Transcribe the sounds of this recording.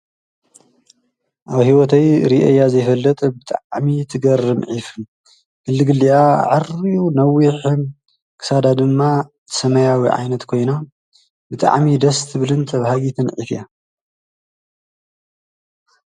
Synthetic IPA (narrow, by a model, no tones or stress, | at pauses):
ʔaβhiwɔt̪ʰɐjɾiʔɐ̰jːazɐjfɐlːɐt̪ʼbɨt̪ʼaʕʕmit̪ʰɨɡɐɾɨmʕif | kɨlːɨɡɨliaʕɨriunɐwiħɨm | kʰɨ̥sad̪ad̪ɨmːat̪ʰɨ̥sɐmɐjawiʕa̰jnɐt̪kʰo̞jna | bɨt̪ʼa̰ʕmid̪ɐst̪ʰɨβɨlɨnt̪ʰɐβhaɡit̪ʰɨnʕḭfja